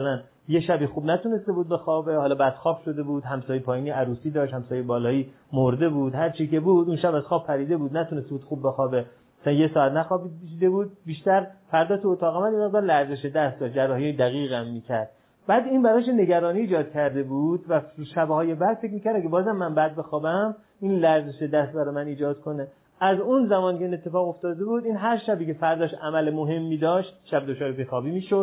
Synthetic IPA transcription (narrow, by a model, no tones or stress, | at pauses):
læn | jeʃæbixuːbnæt̪ʰuːne̞st̪e̞buːd̪̚be̞xɒːbehɒːlɒːbæd̪̥xɒːfʃo̞d̪e̞buːd̪̥hæmsɒːjejpʰɒːjiːniʔæɾuːsiːd̪ɒːʃt̪hæmsɒːjejebɒːlɒːiː | moɾd̪e̞buːd̪hæɾt͡ʃʰiːke̞buːd̪unʃæbæz̥xɒːb̚pʰæɾiːd̪e̞buːd̪næt̪ʰunest̪ebuːd̪xuːbːe̞xɒːbe | æsænjesɒːæt̪næxɒːbiʃid̪ebuːd̪̚biːʃt̪æɾfæɾd̪ɒːt̪ʰuot̪ʰɒːɣɑmæd̪jemeɣd̪ɒːɾlæɾzeʃed̪æst̪d̪ɒːʃ̚d͡ʒærːɒːhijed̪æɣiːɣæmːiːcʲʰæɾd̪̥̚ | bæːd̪inbæɾɒʃ̬enːe̞ɡæɾɒːniːd͡ʒɒːd̪̥kʰæɾd̪e̞buːd̪væʃæbhɒːjebæd̪̥fek̬ʲmiːcʰæɾd̪æɡebɒːzæmːænbæd̪̚be̞xɒːbæm | iːnlæɾze̞ʃed̪æst̪̚bæɾɒːjemæniːd͡ʒɒːd̪̥̚kʰo̞ne | æzunzæmɒːnikʰeinet̪ʰːe̞fɒːɣo̞ft̪ɒːd̪e̞buːd̪iːnɦæɾʃæbiːcʰe̞fæɾd̪ɒːʃʔæmælemoɦe̞mːiːd̪ɒːʃt̪̚ʃæbd̪ot͡ʃʰɒːɾepexɒːbiːmiːʃod̪